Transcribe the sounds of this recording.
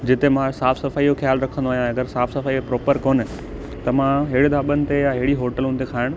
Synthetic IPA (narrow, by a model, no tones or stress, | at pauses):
d͡ʑɪt̪emãsaːfsɐfaːijoxjaːlɾɐkʰə̃nd̪oaːɦijãɐɡəɾsaːfsɐfaːipɾɔːpəɾkoːnɪ̆ | t̪ɐmãɦɪɽɪd̪ʱaːɓənɪ̆t̪ejaɦɪɪɽiɦoːʈəlũnɪt̪ekʰaːɪɽ̃̆